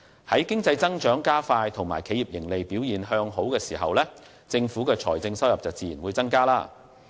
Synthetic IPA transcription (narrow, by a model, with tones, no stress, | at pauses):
hɐ˨˥jkɪ˥ŋt͡sɐ˧jt͡sɐ˥ŋt͡ʃœː˨˥ŋkaː˥faː˧jt̪ʰʊ˨˩ŋma̰ː˨˩jkʰe˨˥jiː˨˩p̚jɪ˨˩ŋle˨jpiː˨˥wjiː˨˩nɦœː˧ŋɦo˨˥wkɛː˧siː˨˩ɦɐ̰˨wlɛː˥ | t͡sɪ˧ŋfuː˨˥kɛː˧t͡ʃʰɔ̰ː˨˩jt͡sɪ˧ŋsɐ˥wjɐ˨p̚t͡sɐ˨wt͡siː˨jiː˨˩nwuː˨˧jt͡sɐ˥ŋkaː˥laː˥